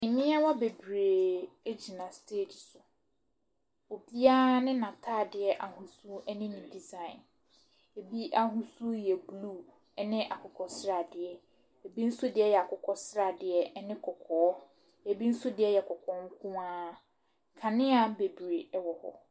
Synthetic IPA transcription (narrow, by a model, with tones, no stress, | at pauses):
ɪ̃˨mɪ̃˦a˦wɔ˦be˨bɾe˨e˦d͡ʑi˨nã˨stʰeː˦˨d͡ʑsʊ˨ | o˨bi˦aː˦nɪ̃˦nã˨tʰaː˦˨dɪ˨ɛ˨ʔa˨hũ˨su˦ɛ˦nɪ̃˦nɪ̃˨di˨zã˦˨ɪ̃˨n | e˨bi˦ʔa˨ɦũ˦su˦jɛ˨bluː˦˨ | ɛ˦nɪ̃˦ʔa˨kʰʊ˨kʰɔ˨sɾa˨dɪ˨ɛ˨ | e˨bi˦n̩˦sʊ˦dɪ˨ɛ˦jɛ˨a˨kʰʊ˨kʰɔ˦sɾa˨dɪ˨ɛ˨ɛ˦nɪ̃˦kʰɔ˨kʰɔ˨ɔ˦ | e˨bi˦n̩˦sʊ˦dɪ˨ɛ˦jɛ˨kʰɔ˨kʰɔ̃˨˦ŋ̩˦kʰũ˦ãː˦ | kʰã˨nɪ̃˦a˦˨be˨bɾe˨ɛ˦wɔ˨hɔ̰˨